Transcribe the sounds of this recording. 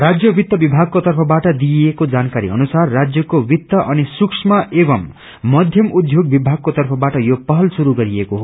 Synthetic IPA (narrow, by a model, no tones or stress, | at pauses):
rad͡zjʌbit̪ːʌbibʱaɡ̚kot̪ʌrpʰʌbaʈʌd̪ijekod͡zankaɾḭʌ̰nusarːad͡zjʌkobit̪ːʌʔʌnisuksmaʔebʌmː | ʌd̪ʱjʌmud̪ʱjoɡ̚bibʱaɡ̚kot̪ʌrpʰʌbaʈʌjopʌɦʌlsuɾuɡʌɾiekoɦo